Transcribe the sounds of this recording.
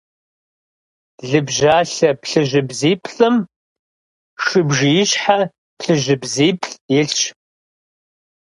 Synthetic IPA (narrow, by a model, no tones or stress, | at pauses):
ɮɨbʒaːɬɐpɬɨʒʷɪbziːpʰɬʼɨm | ʂɨbʒijɪɕħa | pʰɬɨʒʷɪbziːpʰɬʼjɪɬt͡ʃ